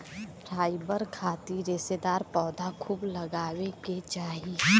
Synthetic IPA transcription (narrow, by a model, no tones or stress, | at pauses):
pʰɾaːɪbəɾkʰaːt̪iɾeːsed̪aːɾpɔːd̪akʰuːbləɡaːweket͡ʃaːɦi